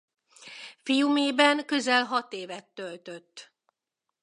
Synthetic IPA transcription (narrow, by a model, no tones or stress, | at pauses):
fijumeːbɛŋkø̞zɛlɦɒt̪eːvɛt̪ːølt̪øt̪ː